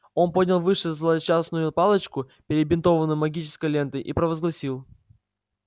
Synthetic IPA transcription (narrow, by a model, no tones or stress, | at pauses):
o̞npo̞dʲnʲɪlˠvɨʂɨzlˠəd̪t͡ɕasnʊjʊpalˠət͡ɕkʊ | pʲɪɾʲɪbʲɪnt̪o̞vənʊjʊmɐɡʲit͡ɕɪ̥skəjlʲe̞nt̪əjʔipɾəvəzɡlˠɐsʲilˠ